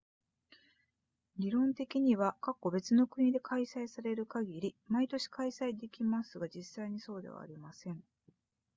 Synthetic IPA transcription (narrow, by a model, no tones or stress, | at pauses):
ɾʲiɾõ̞nt̪e̞kʲiɲ̟iβakakːo̞be̞t͡sɨno̞kɯ̟ɲ̟id̪e̞kʰaisaisaɾe̞ɾɯ̟kaɡʲiɾʲimait̪o̞ɕi̥kaisaid̪e̞kʲimasɨɡad͡ʑisːaiɲ̟iso̞ːd̪e̞̰β̞a̰ːɾʲimasẽ̞ɴ